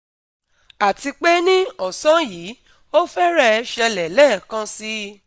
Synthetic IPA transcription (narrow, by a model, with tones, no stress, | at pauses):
a˨ti˧k͡pe˦nĩ˦ɔ˦˨sã˦jiː˨˦ | o˦fɛ˦ɾɛ˦ɛ˧ʃɛ˧lɛ˨lɛ˦˨kã˧si˦